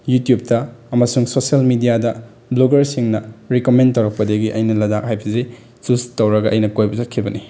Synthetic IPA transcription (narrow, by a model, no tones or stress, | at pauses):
jutjub̚tɐɐmɐsuŋsosɐlmidijadɐ | bloɡɐɾsiŋnɐɾikomentɐwɾɐk̚pɐdɐɡiʔɐjnɐlɐdak̚hajbʰɐze | sustɐwɾɐɡɐʔɐjnɐkojbɐzɐt̚kʰːibɐni